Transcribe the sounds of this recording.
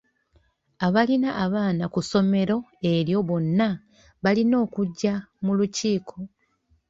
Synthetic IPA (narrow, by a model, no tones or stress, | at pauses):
aβalinaʔːβaːnakuso̞me̞ɾo̞e̞ɾjo̞βo̞nːa | βalino̞ːkuɟːamuluciːkʰo̞